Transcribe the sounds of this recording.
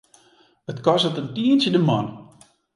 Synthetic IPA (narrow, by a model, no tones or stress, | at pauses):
ətkɔsətəndiənsjədəmɔn